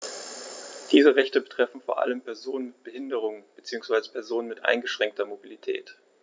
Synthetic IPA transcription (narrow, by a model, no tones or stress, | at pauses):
d̥iːzəʁɛçtəbətʁ̥ɛfn̩foːɐʔa̰ləmpʰɛɐzoːnənmɪt̚b̥əhɪndəʁ̞ʊŋəb̥ət͡siːʊŋsv̥aɪzəpʰɛɐzoːnənmɪtʔa̰ɪnɡəʃʁ̥ɛŋk̚tʰɐmobilitʰɛ̰ːt